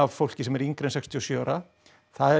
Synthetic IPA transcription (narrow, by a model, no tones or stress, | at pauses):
avfowl̥cɪsɛmɛɾiŋkɾɪnsɛkst̪ʰiɔsjœːɾa | θaðɛ